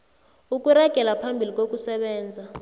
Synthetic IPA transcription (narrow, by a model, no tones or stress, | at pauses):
ukʼuraɡ̥ʱɛlapʰambʱilikʼok̬ʼusɛɓɛːnd͡zʱa